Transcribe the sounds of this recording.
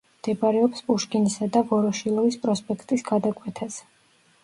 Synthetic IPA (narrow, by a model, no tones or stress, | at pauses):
md̪̥ɛbaɾɛɔpspʼuʃkʼinisad̪avɔɾɔʃilˠɔvispʼɾɔspʼɛkʰt̪ʼisɡ̥ad̪akʼwɛt̪ʰasɛ